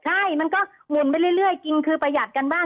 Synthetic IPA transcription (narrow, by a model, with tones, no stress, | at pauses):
t͡ɕʰa˥˩jma˧nkɔː˥˩ | mu˨˩˦npa˧jlɯ˥˩˨jɾɯ˥˩əjki˧nkʰɯː˧pɾa˧ja˨˩t̪̚ka˧nbaː˥˩